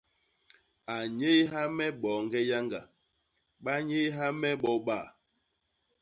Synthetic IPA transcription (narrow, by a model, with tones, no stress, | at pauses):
a˨ɲe˦ɦa˦mɛ˦ɓɔ˨˦ŋ˦ɡɛ˦ja˦ŋɡa˨ | ɓa˦ɲe˦ɦa˦mɛ˦ɓɔ˨˦ɓa˦˨